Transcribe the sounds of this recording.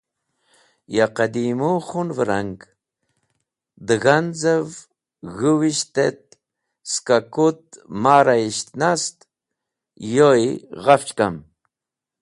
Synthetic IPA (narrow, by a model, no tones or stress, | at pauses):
jaqad̪imuχunvəɾaŋk | d̪ɨɣanzəv | ɣuwiʃt̪et̪̚ | skakut̪̚maɾaiʃt̪nast̪ | jojʁaft͡ʃka̰m